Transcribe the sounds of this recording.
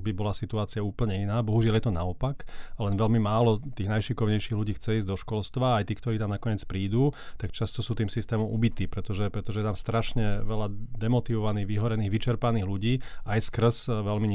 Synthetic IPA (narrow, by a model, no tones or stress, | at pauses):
bibɔlasit̪uaːt͡siauːpl̩ɲɛinaːbɔɦuʒɪaljɛt̪ɔnaɔpaklɛnʋɛlmimaːlɔt̪iːɣnajʃikɔʊɲɛjʃiːɣluɟiːxt͡sɛiːzɟd̪ɔʃkɔlst̪ʋaːjt̪iːkt̪ɔɾiːt̪amnakɔɲɛt͡spɾiːd̪uːt̪akt͡ʃast̪ɔsuːt̪iːmsist̪ɛːmɔmʔubit̪iːpɾɛt̪ɔʒɛpɾɛt̪ɔʒɛɛt̪amst̪ɾaʃɲɛʋɛlad̪ɛmɔt̪iʋɔʋaniːɣʋiɦɔɾɛniːɣʋit͡ʃɛɾpaniːɣluɟiːajskr̩sʋɛlmiɲ